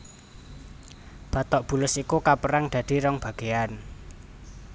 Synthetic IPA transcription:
b̥a̤t̪ɔʔb̥ṳlʊsikukapəɾaŋd̪̥ä̤d̪̥i̤ɾɔŋb̥ä̤ɡ̥ean

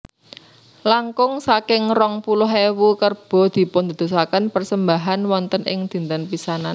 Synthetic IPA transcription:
laŋkʊŋsakɪŋrɔŋpulʊɦewukərb̥ɔ̤d̪̥i̤pʊnd̪ə̤d̪̥o̤sakanpərsəmbaɦanwɔnt̪ənɪ̰ŋd̪̥i̤nt̪ənpisanan

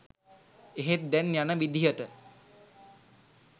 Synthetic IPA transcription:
eɦet̪̚d̪ɛnjanəʋid̪ʱijəʈə

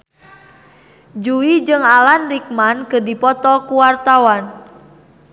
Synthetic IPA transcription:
d͡ʒuwid͡ʒɨŋalanrik̚mankɨrdipɔt̪ɔkuwart̪awan

